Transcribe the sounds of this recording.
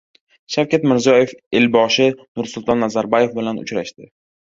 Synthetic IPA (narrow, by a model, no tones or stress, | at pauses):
ʃawkʲat̪mɪɾzijɒje̞felbɒʃɪnʊɾsʊlˠt̪ʰɒnːazaɾbɒje̞fbɪlanʊ̰t͡ʃɾaʃt̪ɪ